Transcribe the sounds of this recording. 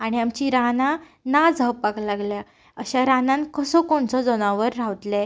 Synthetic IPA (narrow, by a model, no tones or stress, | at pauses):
aɽ̃iamt͡ɕiɾanã | nad͡zʱəwpaɡlaɡlja | əɕaɾanãnkəsɔkoɳt͡sɔd͡zɔnãʋəɾːaʋt̪lɛ